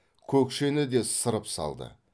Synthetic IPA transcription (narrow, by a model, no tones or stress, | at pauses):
kʲʰɵkʃe̞nɪd̪e̞səɾəpsɑ̰lˠd̪ə̰